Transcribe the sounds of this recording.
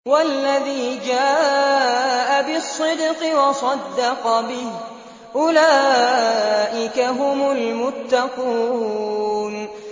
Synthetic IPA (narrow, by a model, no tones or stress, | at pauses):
walːaðiːd͡ʒaː | ʔabɪsˤːɨd̪qɨwɑsˤɑd̪ːɑqɑbɪh | ʔʊlaː | ʔɪkaɦʊmʊlmʊt̪ːɑquː | n